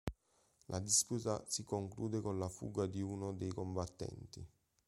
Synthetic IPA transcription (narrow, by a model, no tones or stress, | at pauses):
lʔad̪isput̪asikoŋkluːd̪ekonlafṵɡad̪iunod̪ejkombat̪ːɛ̰nt̪i